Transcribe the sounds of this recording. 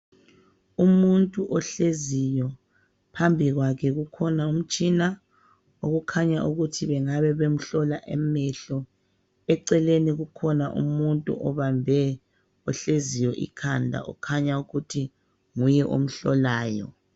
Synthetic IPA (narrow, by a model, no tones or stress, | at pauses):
umuntʼuʔɔɬezijɔ | pʰambʱiɣwakʰɛɣukʰɔnaum̩t͡ʃʼina | oɣukʰaɲaʔuɣutʰiβɛŋaβɛβem̩ɬɔlaʔɛ̰mɛɬɔ | ɛǀɛleniɣukʰɔnaʔṵmuntʼṵʔɔβambʱɛ | ɔɬezijɔʔḭkʰandʱa̰ʔɔ̰kʰaɲauɣutʰi | ŋujɛʔo̰m̩ɬɔ̰laːjɔ̰